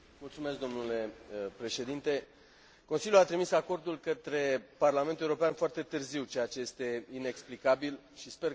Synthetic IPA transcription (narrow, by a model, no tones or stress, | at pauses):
mult̪sume̞sk̚d̪o̞mnule̞pɾe̞ʃe̞d̪int̪e̞ | ko̞nsiljuat̪ɾimisako̞rd̪ulkət̪ɾe̞parlament̪uewuɾo̞peanfoart̪e̞t̪ɨrziwt͡ʃeat͡ʃe̞je̞st̪e̞ine̞ksplikabil | ʃispe̞r